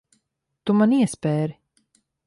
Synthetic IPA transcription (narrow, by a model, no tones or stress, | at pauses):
t̪ʊmaniːspɛːɾ